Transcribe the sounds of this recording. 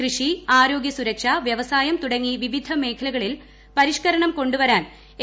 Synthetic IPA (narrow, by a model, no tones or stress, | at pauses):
rɨʂiaːɾo̞ːɡjɐsuɾɐkʂɐʋjɐʋɐsaːjɐmt̪uɽɐŋːiʋiʋid̪ʱɐme̞ːkʰɐlɐɣɐɭil | pɐɾiʂkɐɾɐɳɐmko̞ɳɖuʋɐɾaːn | e